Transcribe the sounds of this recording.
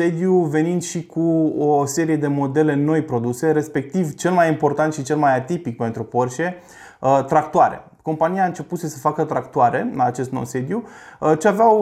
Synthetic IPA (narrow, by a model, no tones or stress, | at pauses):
e̞d̪juve̞nind̪ʃikuose̞ɾije̞d̪e̞mo̞d̪e̞le̞no̞jpɾo̞d̪use̞ɾe̞spe̞k̚t̪ivt͡ʃe̞lmajimpo̞rt̪ant̪ʃit͡ʃe̞lmajat̪ipik̚pe̞nt̪ɾupo̞rʃe | ət̪ɾak̚t̪oaɾe̞̰ | ko̞mpanijaɨnt͡ʃe̞puse̞səfakət̪ɾakt̪ouaɾe̞laːt͡ʃe̞st̪nowse̞d̪juət͡ʃeaveaw